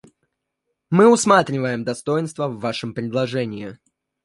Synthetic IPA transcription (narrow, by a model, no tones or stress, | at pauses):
mɨʊsmat̪ɾʲɪvəjɪmd̪ɐst̪o̞jɪnst̪vəvːaʂɨmpɾʲɪd̪lˠɐʐɛnʲɪjɪ